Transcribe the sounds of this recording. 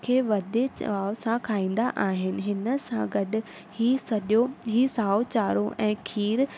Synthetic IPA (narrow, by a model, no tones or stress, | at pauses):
kʰeːʋɐd̪et͡ɕɐ̰ʋaːʋsãkʰaːĩːn̆d̪aʔaːɦɪnɪ̆ɦɪnə̆sãɡɐɗɪ̆ | hiːsɐɗjoɦiːsaːot͡ɕaːɾoʔɛ̃ːkʰiːɾ